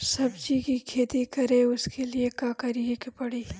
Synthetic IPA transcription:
sɐbd͡ʒikikʰeːt̪ikɐɾeʊskeliekaːkɐɾiekpɐɽiː

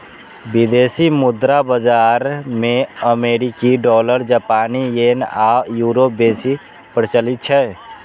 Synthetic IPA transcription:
bɪd̪eːsimʊd̪ɾabəd͡ʒaːɾmẽəmeːɾikiɖɔːləɾd͡ʒapaːnijeːnaːjuːɾoːp̚beːsi | pəɾt͡ʃəlɪt̪̚t͡ʃʰɛː

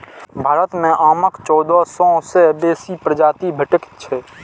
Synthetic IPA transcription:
bʱaːɾət̪mẽʔaːməkt͡ʃɔːd̪ɔsɔ̃sebeːsipɾəd͡ʒaːt̪ibʱəʈəkt͡ʃʰɛ

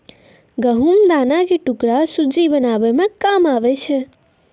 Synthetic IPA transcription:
ɡəɦumd̪anakeʈukɾasud͡ʒibənabɛmẽkamaʋɛt͡ʃʰɛ

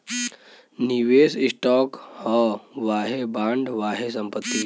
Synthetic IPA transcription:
niʋeːsɪsʈɔːkhɔʋaːɦebãːɳɖʋaːɦes̬ə̃mpət̪ːi

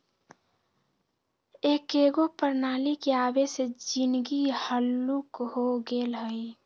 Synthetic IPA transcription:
ekeɡopəɾnalikeabesed͡ʒinɡihəlːukɦoɡelɦəj

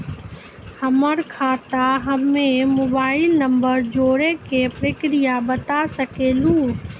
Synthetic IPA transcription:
həməɾkʰaːt̪aɦəmːẽmoːbaːɪlnəmbəɾd͡ʒoːɾekepɾəkɾijabət̪asəkeːlũː

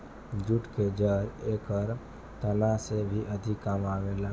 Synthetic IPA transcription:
d͡ʒuʈked͡ʒəɾekəɾ | t̪əlãsebʱiʔəd̪ʱikːamaʋela

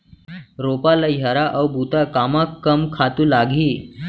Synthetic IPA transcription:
ɾopalajaɾaʔəwbut̪akamakːəmkʰat̪uːlaɡʱiː

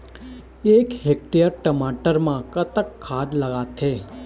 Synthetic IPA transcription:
ekɦek̚ʈijəɾʈəmaʈəɾmãkət̪əkʰːad̪ləɡat̪ʰe

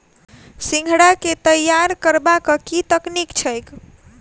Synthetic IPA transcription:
sĩŋɡʱɽaket̪əjːaɾkəɾbakəkit̪əknikt͡ʃʰəjk

